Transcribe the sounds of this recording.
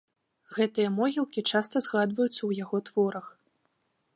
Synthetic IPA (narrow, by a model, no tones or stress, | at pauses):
ɣɛt̪ɨjɐmɔɣʲilˠkʲit͡ʂast̪ɐzɣad̪vɐjut̪sːɐwjaɣɔt̪v̥ɔɾɐx